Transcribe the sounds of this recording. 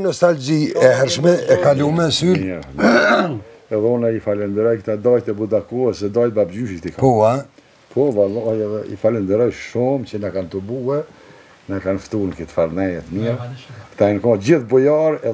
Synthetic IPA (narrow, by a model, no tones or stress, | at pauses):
nɔst̪ald͡ʑiɛhɛɾʃmɛɛkalumɛsylɛ | ɛðɛunɛifalɛnd̪əɾɔjkt̪ad̪ɑjt̪ɛbud̪akuɛsɛd̪ɑj̪babd͡ʑyʃit̪ikaua | pʰɔvalɔjɛðɛḭfalɛnd̪əɾɔjʃumt͡ʃənɛkant̪ubuɛ | nakanft̪unkit̪faɾnɛjɛt̪əmiɾkt̪ankɔ̃d͡ʑiθbɔjɔɾɛ